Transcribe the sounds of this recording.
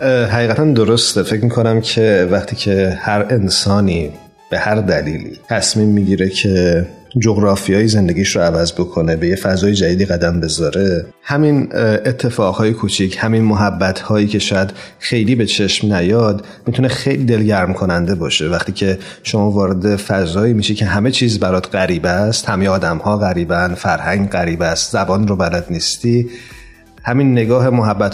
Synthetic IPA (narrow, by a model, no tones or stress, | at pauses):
ɦæɣiːɣæt̪ʰænd̪oɾo̞st̪e̞fe̞cmikʰo̞næmcʰe̞væxt̪ʰiːcʰe̞hæɾe̞nsɒːniː | b̥e̞hæɾd̪æliːlḭːt̪ʰæsmiːmːiɟiːɾe̞cʰed͡ʒoɣɾɒːfijɒːjize̞nd̪e̞ɡiːʃɾoævæzbo̞kʰo̞ne̞be̞jefæzɒːjed͡ʒæd̪iːd̪iːɣæd̪æmbe̞zɒːɾe̞ | hæminʔet̪ʰːe̞fɒːɣhɒːjekʰut͡ʃʰicʰhæminmoɦæbːæt̪ʰhɒːjiːcʰe̞ʃɒːjæd̪̥ | xe̞jliːbe̞t͡ʃʰe̞ʃmnæjɒːd̪ | miːt̪ʰune̞xejliːd̪e̞lɟæɾmkʰo̞nænd̪e̞bɒːʃe̞væχt̪iːcʰe̞ | ʃomɒːvɒːɾe̞d̪e̞fæzɒːiːmiːʃicʰe̞ɦæme̞t͡ʃʰiːzbæɾɒːd̪ɢæɾiːbæst̪hæme̞jeɒːd̪æmhɒːɣæɾiːbæn̥fæɾhæŋɡɢæɾiːbæst̪zæbɒːnɾobælæd̪niːst̪i | hæminːe̞ɡɒːɦe̞moɦæbːæt̪